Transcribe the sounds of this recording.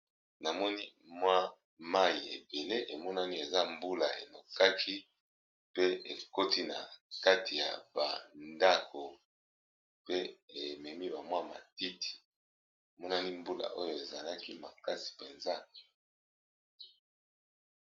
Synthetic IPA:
na˨mɔ˦ni˦mwa˦ | ma˦ji˨ḛ˨be˨le˦ʔe˨mɔ˦na˦ni˦e˨za˦mbu˦la˨ḛ˨no˨ka˦kʰi˦ | pe˦ḛ˨ko˦ti˦na̰˨ka˦ti˨ja̰˨ba̰˨nda˦ko˨ | pe˦e˨mɛ˨mi˦ba˨mwa˦ma̰˨ti˦ti̥˨ | e˨mɔ˦na˦ni˦mbu˦la̰˨ʔo˦jo˨e˨za˨la˦ki˦ma˨ka˦si̥˨pe˨nza˦

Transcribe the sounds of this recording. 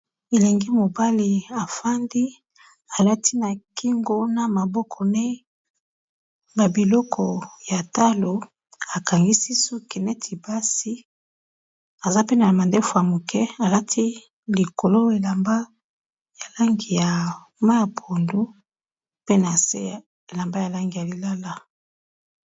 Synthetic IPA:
e˨lɛ˨ŋɡi˦mo˨ba˦li˨a˨fa˦ndi˦ | a˨la˦tʰi˦na˨ki˦ŋɡo˦na˨ma˨bɔ˦kʰɔ˨ne˦ | ba˨bi˨lɔ˦kʰɔ˨ja˨ta˦lo˨ | a˨ka˨ŋɡi˦si˦so˦ke˨nɛ˦tʰi˨ba˦si˦ | a˨za˦pe˦na˨ma˨ndɛ˦fo˨ja˨mo˨kɛ˦a˨la˦tʰi˦ | li˨ko˨lo˦e˨la˨mba˦ | ja˨la˦ŋɡi˨ja˨ | ma˦˨pʰo˨ndu˦ | pe˦na˨se˦˨ | e˨la˨mba˦ja˨la˦ŋɡi˨ja˨li˨la˦la˦

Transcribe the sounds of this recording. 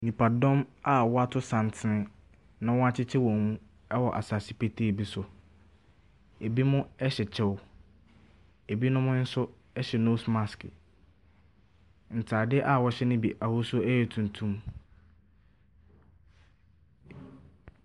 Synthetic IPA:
nĩ˨pʰa˨dɔ̃˦ma˦˨wɔ˦a˦tʰʊ˦sã˨n˨tʰɪ˨nɪ̃˦ | nã˨wɔ̃˦a˦t͡ɕʰɪ˦t͡ɕʰɛ˦wɔ̃˨mũ˦ | ɛ˦wɔ˨ʔa̰˨saː˨si̥˦pʰe˦tʰeː˦˨bi˦sʊ˨ | e˨bi˦mʊ̃˦ɛ˦ɕɛ˨t͡ɕʰɛ˦wʊ˦ | e˨bi˦nʊ̃˦mʊ̃˦n̩˦sʊ˦ | ɛ˦ɕɛ˨no˦sma˨sk | n̩˨tʰaː˨dɪ˦ɛ˦ʔa˦˨wɔ˦ɕɛ˦nɪ̃˦bi˨ʔa˨hʊ˦sʊ˦ɛ˦jɛ˨tʰũ˨n˨tʰũ˦m

